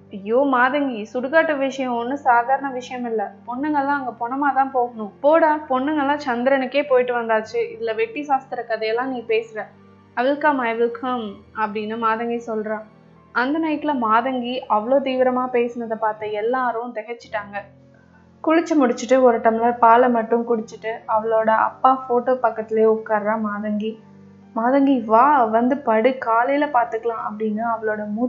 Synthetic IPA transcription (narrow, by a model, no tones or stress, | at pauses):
ɐjːoːmaːðɐŋɡisʊɽʊkaːʈːɐʋɪʂɐjɐ̃ɔnːɯsaːd̪aːɾɐɳɐʋɪʂɐjɐmɪlːɐpɔɳːɯŋɡɐɭlːãːɐŋɡɐpɔɳɐmaːt̪ãːpoːɣɐɳʊ̃poːɽaːpɔɳːɯŋɡɐlːãːt͡ʃɐnd̪ɪɾɐnɯkːeːpoːjʈːɯʋɐnd̪aːt͡ʃːɯɪðlːɐʋɛʈːisaːst̪ɪɾɐkɐðɐjɐlːãːniːpeːsɯɾɐ̃ | ɐʋɪlkɐmaːjɐʋɪlkʰɐmɐpːɐɽɪnːɯmaːðɐŋɡisɔlɾãː | ɐnd̪ɐnɐɪʈ̪ːɪlɐmaːðɐŋɡiʔɐʋɐɭoːt̪̬iːʋɪɾɐmaːpeːsɐnɐðɐpaːɾt̪ɐɛlːaːɾɯʊ̃t̪ɛɣɐt͡ʃːɪ̥ʈːaːŋɡɐ | kʊɻɪt͡ʃːɐmʊɽɪt͡ʃːɯʈːɯɔɾɐʈːɐmɪlɐpaːlɐmɐʈːɯmkʊɽɪt͡ʃːɯʈːɯɐʋɐɭoːɽɐʔɐ̰pːaːfoːʈoːpɐkːɐt̪ːɪleːʊkːaːɾɾãːmaːðɐŋɡi | maːðɐŋɡiʋaːʋɐnd̪ɯpɐɽɯkaːlɐjɪlɐpaːɾt̪ɯkːɐlãːʔɐpːɐɽɪnːɯɐʋɐɭoːɽɐmuː